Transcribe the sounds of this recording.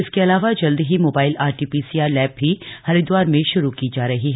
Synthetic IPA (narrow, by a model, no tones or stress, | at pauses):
ɪskeɐlaːʋad͡ʒɐld̪ɦimoːbaːɪlaːɾʈiːpiːsiaːɾlɛːb̚ɦihɐɾid̪waːɾmẽʃʊɾukid͡ʒaːɾɐɦiɦɛ